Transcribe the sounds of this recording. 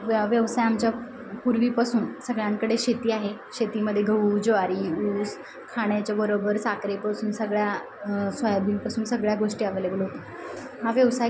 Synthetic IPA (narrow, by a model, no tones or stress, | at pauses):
ʋjəʋsajamt͡ɕja | puɾʋiːpasuːnsəɡɭjãŋkəɽeɕet̪iːaɦeɕet̪iːməd̪ʱjeɡʱəud͡ʑʋaɾiuːs | kʰaɽ̃jat͡ɕabəɾobəɾsakɾepasuːnsəɡɭja | sʋəjabiŋpasuːnsəɡɭjaɡoʂʈiːaʋleʋlot̪o | ɦaʋjəʋsa